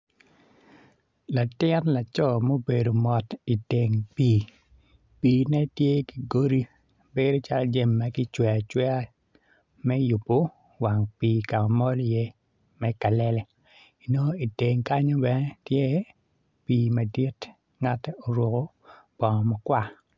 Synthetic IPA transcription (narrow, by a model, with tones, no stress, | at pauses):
la˨tɪ˦nla˨t͡ʃɔ˦mo˦be˨do˨mɔ˨ti˨te˨ŋpiː˦ | piː˨nɛ˦tje˦ki˨ɡo˦ɾi˦ | be˦ɾo˦t͡ʃa˦ld͡ʒe˦mːa˨ɡɪ˦t͡ʃwɛ˨a˨t͡ʃwɛ˦a˦ | mɛ˦ju˨pːo˨ | wa˨ŋpiː˨ka˨mɔ˦lje˦ | mɛ˦ka˨lɛ˦lɛ˦ | i˨no˦i˨te˨ŋka˦ɲo˦bɛ˦nɛ˦tje˦ | piː˨ma˨di˦t | ŋa˦tːɛ˦ʔo˨ɾwo˨ko˦ | b̥ɔ˨ŋɔ˨mɔ˨kwa˦˨